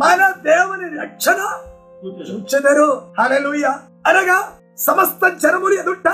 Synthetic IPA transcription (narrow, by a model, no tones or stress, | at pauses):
maːnɐd̪eːʋɐneɾɐkʂʰɐnɐ | juk̪ɐʃut͡ʃed̪ɐɾuhaːleːluːjaː | ɐlɐɡɐ | sɐmɐst̪ɐd͡ʒɐnɐmuɾijɐd̪uɳʈːɐ